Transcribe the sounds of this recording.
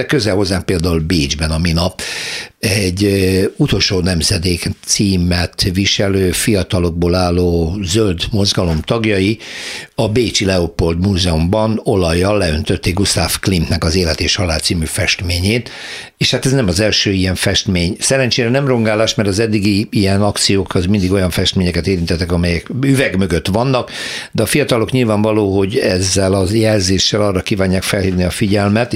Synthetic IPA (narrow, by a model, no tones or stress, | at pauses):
ɛkø̞zɛlho̞zːaːŋk̚peːld̪aːulbeːd͡ʒbɛnɒminɒp | ɛɟːut̪o̞lʃoːnɛmzɛd̪eːkt̪siːmɛt̪ʋiʃɛløːfijɒt̪ɒlo̞ɡ̚boːlaːlːoːzøld̪mo̞zɡɒlo̞mt̪ɒɡjɒjiɒbeːt͡ʃilɛopo̞ld̪muːzɛumbɒno̞lɒjːɒlːɛønt̪øt̪ːeːɡust̪aːfklint̪nɛkɒzeːlɛt̪eːʃhɒlaːlt̪siːmyfɛʃt̪meːɲeːt̪ | eːʃhat̪ɛznɛmɒzɛlʃøːijɛɱfɛʃt̪meːɲsɛlɛnt͡ʃeːɾɛnɛmro̞ŋɡaːlaːʃmɛrt̪ɒzɛd̪ːiɡiijɛnɒkt̪sijoːkʰɒzmind̪iɡo̞jɒɱfɛʃt̪meːɲɛkɛt̪eːɾint̪ɛt̪ːɛkɒmɛjɛkyvɛɡmøɡøt̪ʋɒnːɒkd̪ɛɒfijɒt̪ɒlokɲilvaːɱvɒloːɦo̞ɟɛzːɛlɒjɛlzeːʃːɛlɒrɒkiːvaːɲːaːkfɛlhiːvniɒfiɟɛlmɛt̪